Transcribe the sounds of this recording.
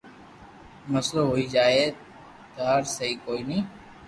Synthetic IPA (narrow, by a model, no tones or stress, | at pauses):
məsloːɦoːiːd͡ʒaːeː | t̪aːɾsəɦiːkoːiːnĩː